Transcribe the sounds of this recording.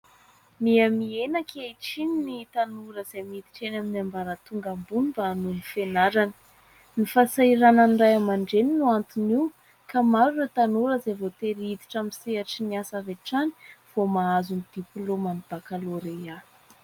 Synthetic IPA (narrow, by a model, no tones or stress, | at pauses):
miamienakʰeiʈ͡ʂininit̪anuɾəzejmiid̪i̥ʈ͡ʂenaminambaɾət̪uŋɡambunbanuifenaɾanə̥ | nifasaiɾanənrajamaɳɖ͡ʐeninuant̪uniw | kamaɾuret̪anuɾəzajvot̪eɾid̪i̥ʈ͡ʂamiseaʈ͡ʂiniasaveʈ͡ʂani̥v̥omaazunid̪̥ipulomanub̥akaloɾeja